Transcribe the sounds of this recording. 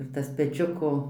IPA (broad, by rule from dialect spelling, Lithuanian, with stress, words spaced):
ɪr ˈtɐs pʲɛˈt͡ʃʲʊkoː